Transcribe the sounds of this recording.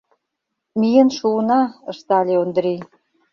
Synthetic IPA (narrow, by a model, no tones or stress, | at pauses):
mijənʃuənɑə̆ʃt̪ɑlʲeond̪ɾij